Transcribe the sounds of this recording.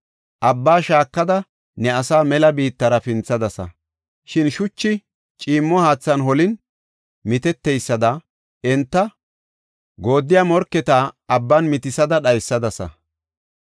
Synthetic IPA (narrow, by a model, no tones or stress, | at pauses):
ʔɐbːaːʃaːkːɐd̪ɐ | nɛɐsaːmɛlɐbiːt̪ːɐɾɐfɪnt͡sːɐd̪ɐsɐ̰ | ʃɪnʃʊt͡ʃːɪ | t͡ʃʼiːmːɔhaːt͡sːɐnɦɔlɪn | mɪt̪ɛt̪ːɛjsːɐd̪ɐ | ɛnt̪ːɐ | ɡo̞ːd̪ːɪjamɔɾkːɛt̪aːɐbːɐnmɪt̪ɪsɐd̪ɐɗɐjsːɐd̪ɐsɐ̰